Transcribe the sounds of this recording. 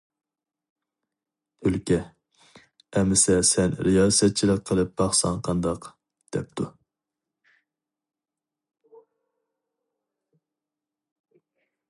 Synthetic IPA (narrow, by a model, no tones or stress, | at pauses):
t̪ʰølkʲɛ | ɛmːɪsɛsɛnɾijɑːsɛt̪̚t͡ʃʰilˠəqʰːəlˠɨp̚b̥ɑχsɑŋqʰɑnd̪ɑq | d̪̥ɛp̚t̪ʰu